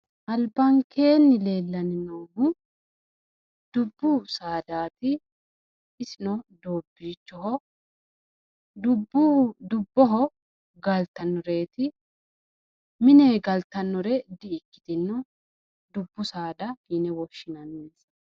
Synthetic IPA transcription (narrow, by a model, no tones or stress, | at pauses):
ʔɐlbɐŋkʰe̞ːnːɪle̞ːlːɐnɪnɔwɡʊ | d̪̥ʊbːʊsaːd̪aːt̪ɪː | sɪnɔd̪oːbːiːt͡ʃːɔɦɔ | d̪ʊbʊd̪ʊbːɔɦɔ | ɡɐlt̪ɐnːɔɾe̞ːt̪ɪ | mɪneːɡɐlt̪ɐnːɔɾɛd̪ɪɪkːɪ̥d̪ɪnːɔ | d̪ʊbːʊsaːd̪ɐhiːnɛwɔʃːɪnɐnːeːs